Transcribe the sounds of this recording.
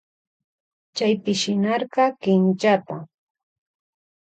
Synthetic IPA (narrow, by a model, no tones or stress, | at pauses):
t͡ʃajpɪʃɪnɑɾɢɑkɪnt͡ʃat̪a